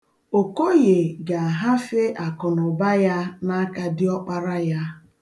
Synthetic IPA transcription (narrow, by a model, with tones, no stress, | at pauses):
o˨ko˦ɣe˨ɡa˨a˨ɦa˦fe˦ʔa˨kɔ˨nʊ˨ba˦ja˦na˦ka˦dɪ˦ɔ˦k͡pa˦ɾa˦ja˦